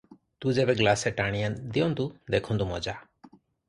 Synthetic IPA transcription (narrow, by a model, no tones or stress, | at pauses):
t̪ud͡ʒɛbɛɡlasɛʈaɽ̃ĩjand̪iɔnt̪ud̪ɛkʰɔnd̪umɔd͡ʒa